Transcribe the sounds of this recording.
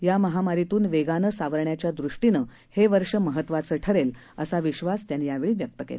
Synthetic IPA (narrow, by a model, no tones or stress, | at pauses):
jaməɦamaɾit̪uːnʋeɡanəsaʋəɾɳjat͡ɕjad̪ɾuʂʈinə | heʋəɾʂəməɦət̪ʋat͡səːʈʰəɾel | əsaʋiɕʋast̪janijaʋeɭiːʋjək̚t̪əkḛl